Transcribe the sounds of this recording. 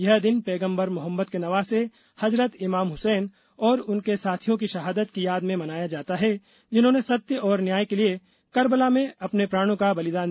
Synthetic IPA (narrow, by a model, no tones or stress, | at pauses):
jɐɦd̪ɪnpɛːɡə̃mbəɾmʊɦəmːət̪kenɐʋaːse | hɐzɾət̪ɪmaːmɦʊsɛːn | ɔːɾʊnkesaːt̪ʰijõk̬iʃɐɦaːd̪ət̪kijaːd̪mẽmɐnaːjad͡ʒaːt̪aɦɛ | d͡ʒɪnɦõːnesɐt̪jəʔɔːɾnjaːjkelie | kɐɾbəlamẽɐpnepɾaːɽ̃õkabɐlɪd̪aːn